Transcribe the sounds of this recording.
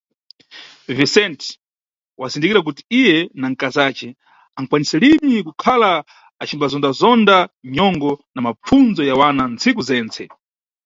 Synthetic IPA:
visɛnt | wazindikiɾak̬uti̥ijɛnaŋ̩kazaːt͡ʃɛ | aŋ̩kwanisɛlimikukʰalaː | t͡ʃimbazɔndazɔndaɲɔŋɡɔnamap͡fund͡zɔjawanant͡sikuzɛːnt͡sʰɛ

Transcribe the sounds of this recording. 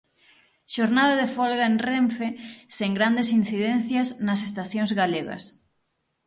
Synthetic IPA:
ʃoɾnaðaðefolɣaenreɱfeseŋɡɾand̪esin̟θiðen̟θjasnasest̪aθjoŋzɣaleɣɐ̰s

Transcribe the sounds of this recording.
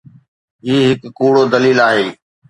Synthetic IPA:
ɦiːɦɪkkuːɽoːd̪əliːlaːɦeː

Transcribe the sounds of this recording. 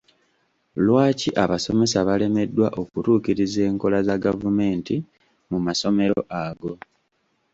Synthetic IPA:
lwaːciʔaβaso̞me̞saβale̞me̞dːwaʔo̞kutuːkiɾize̞ːŋko̞lazaɡavume̞ːnti | mumaso̞me̞ɾo̞̰ʔaɡo̞

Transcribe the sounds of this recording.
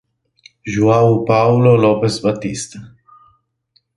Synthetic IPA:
ʒuawpawlɔlɔpɛsbat̪ist̪

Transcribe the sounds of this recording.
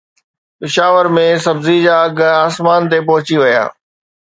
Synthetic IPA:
pɪʃaːʋəɾmẽsɐbzid͡ʑaːɐɡʱaːsmaːnt̪ep̬ɐɦʊt͡ɕiʋɐja̰ː

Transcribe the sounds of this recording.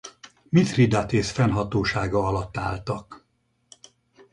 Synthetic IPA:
mit̪rid̪at̪eːsfɛnɦɒt̪oːʃaːɡɒɒlɒt̪ːa̰ːlt̪ɒk

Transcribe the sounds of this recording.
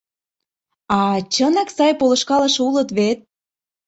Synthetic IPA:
ɑt͡ɕənɑksɑjpolɤ̆ʃkɑlɤ̆ʃulɤə̆t̪βet̪̚

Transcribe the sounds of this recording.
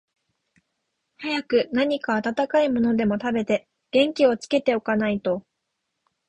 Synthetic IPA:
hajakɯ̟naɲ̟ikaːt̪at̪akaimo̞no̞d̪e̞mo̞t̪abe̞t̪e̞ | ɡ̥ẽ̞ŋkʲio̞t͡sɨ̥ke̞t̪e̞o̞kanait̪o̞

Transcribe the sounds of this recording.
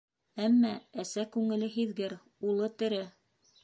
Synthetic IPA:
æmːææsækʉŋɘ̆lɘɦiðɡɘɾ | ulˠɤt̪ɘ̆ɾɘ

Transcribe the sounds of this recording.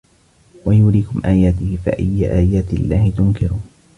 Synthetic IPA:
wajuːɾiːkʊmʔaːjaːt̪ɪhɪfa̰ʔajːaʔaːjaːt̪lːaːhɪt̪ʊŋkɪɾuː

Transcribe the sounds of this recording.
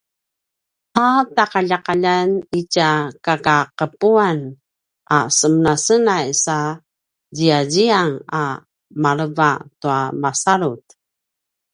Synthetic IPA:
hataqaʎaqaʎanicakakaqəpuan | ʔasəmənasənajsa | d͡ʑiaɟiaŋa | maɾəvatuamasaɾut

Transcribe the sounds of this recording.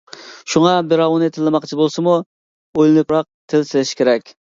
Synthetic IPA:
ʃuŋɑbɪɾɑwnɨt̪ʰɪlːɨmɑqt͡ʃʰibolˠsɨmu | ojlˠɪnɨpɾɑq̚t̪ʰɪlsɪlɪʃi̥kʰʲeɾɛkʲ

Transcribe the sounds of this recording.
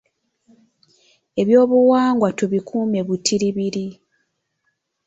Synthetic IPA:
e̞βjo̞ːβuwaːŋɡwatuβikʰuːme̞βutʰiɾiβiɾi

